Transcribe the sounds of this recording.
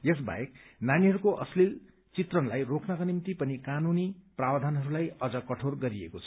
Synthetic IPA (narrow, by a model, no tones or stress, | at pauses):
jes̬ba̰jeknaniɦʌɾukoʔʌ̰slil | t͡sit̪rʌnlajrokʰnʌkanimt̪ipʌnikanuniprabd̪ʱanɦʌɾulajʌd͡zʌkʌʈʰorɡʌɾiekot͡sʰʌ̥